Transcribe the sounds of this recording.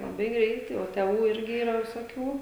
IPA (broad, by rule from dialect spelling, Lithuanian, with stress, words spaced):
lˠɐˈbɐɪ ˈɡrʲɛɪtɐɪ oː tʲɛˈʋuː ˈɪrʲɡʲɪ iːˈrɐ ʋʲɪsoːˈkʲuː